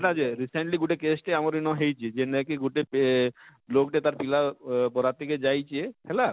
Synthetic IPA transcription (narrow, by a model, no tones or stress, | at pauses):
ʈad͡ʑeɾiseɳʈliɡuʈekesʈeamaɾinɔɦejt͡ɕʰied͡ʑenekiɡuʈep | lokʈet̪aɾpilapɔɾat̪eked͡ʑajt͡ɕʰiehɛla